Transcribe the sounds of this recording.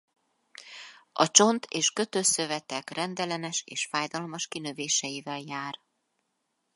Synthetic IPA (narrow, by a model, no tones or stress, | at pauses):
ɒ̰t͡ʃo̞nt̪ʰeːʃkø̞t̪øːsøvɛt̪ɛkrɛnd̪ɛlɛnɛʃeːʃfaːjd̪ɒlmɒʃkinøveːʃɛjivɛljaːr